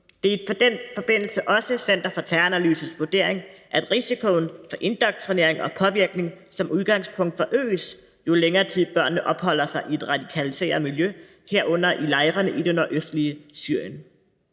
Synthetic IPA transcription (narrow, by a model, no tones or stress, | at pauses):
d̥e̝ɐe̝d̥fɒ̽d̥en̰fɒ̽b̥e̝n̰l̩səʔɒ̽səsen̰d̥ɐfɒ̽t͡sʰæɐænæly̰ːsð̩sʋuɐd̥e̝ɐ̰e̝ŋʔæd̥ʁisikʰo̝n̩fɒ̽ʔe̝nd̥ɒɡ̥̚t͡sʰʁine̝ɐ̰eŋɒ̽pʰɒ̽ʋiɐɡ̥ne̝ŋ | sɒ̽mʔuð̞ˠɡ̥ɑ̈ŋspʰɔ̽ŋ̰d̥fɒ̽ʔø̰ːs | jo̝leŋɐːt͡sʰið̞̰ˠb̥ɶɐ̰nːəʔɒ̽b̥hɒ̽l̰ɐsɑ̈ɪʔie̝d̥ʁɑ̈d̥ikʰælise̝̰ːɐmiljø | heɐʔɔ̽n̰ɐʔilɑ̈ɪʁɐnəʔid̥enɒʔøsd̥liəsyɐ̰jən